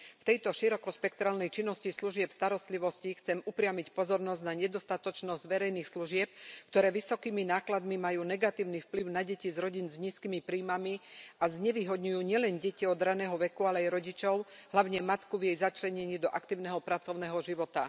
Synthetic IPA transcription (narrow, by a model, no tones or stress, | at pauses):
ft̪ɛjt̪ɔʃiɾɔkɔʃpɛkt̪ɾaːlnɛjt͡ʃinːɔscisluʒɪɛpst̪aɾɔst̪liʋɔscixt͡sɛmupɾɪamicpɔzɔɾnɔzɟnaɲɛd̪ɔst̪at̪ɔt͡ʃnɔzɟʋɛɾɛjniːxsluʒɪɛp̚kt̪ɔɾɛːʋisɔkiːminaːklad̪mimajuːnɛɡat̪iːʊnifpliʊnaɟɛcizɾɔɟinzɲiːskiːmipɾiːmamiazɲɛʋiɦɔd̪ɲujuːɲɪɛlɛnɟɛciɔd̪ɾanɛːɦɔʋɛkualɛajɾɔɟit͡ʃɔʊɦlaʊɲɛmat̪kuvjɛjzat͡ʃlɛɲɛɲiːd̪ɔʔakt̪iːʊnɛɦɔpɾat͡sɔʊnɛːɦɔʒiʋɔt̪a